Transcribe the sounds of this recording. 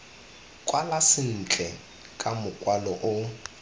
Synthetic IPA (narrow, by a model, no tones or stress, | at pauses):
kʼwalasɪn̩t͡ɬʼɛ | kʼamʊkʼwalɔʔʊ